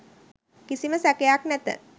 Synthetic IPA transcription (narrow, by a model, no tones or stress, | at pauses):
kisiməsækejaknæt̪ə̰